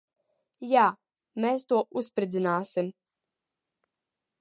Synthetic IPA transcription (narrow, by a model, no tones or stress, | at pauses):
jaː | mest̪oʔuspɾed̪znaːsem